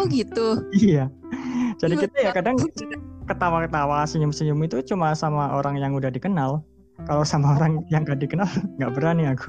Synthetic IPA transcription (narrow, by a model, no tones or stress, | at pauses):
ɡit̪uija | d͡ʒadikit̪ajakadaŋsaakət̪awakət̪awasiɲʊmsiɲʊmit̪ut͡ʃumasamaʔoɾaŋjaŋudahdikənal | kalosamaoɾaŋjaŋɡadikənalŋɡaʔbəɾaniaɡu̥